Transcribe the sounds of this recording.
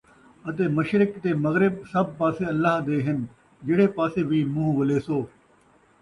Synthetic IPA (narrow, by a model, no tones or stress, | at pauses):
ət̪eːməʃɾɪkt̪eːmɐɣɾɪb̚sɐb̚paːseːɐlːaːɦd̪eːɦɪn | d͡ʒɪɽeːpaːseːʋiːmʊ̃ɦʋəleːsoː